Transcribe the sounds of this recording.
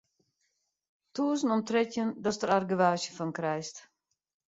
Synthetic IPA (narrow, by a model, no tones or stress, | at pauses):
tuːznɔmtrɪtjəndɔsdərarɡəʋaːʃjəfɔnkrɛjst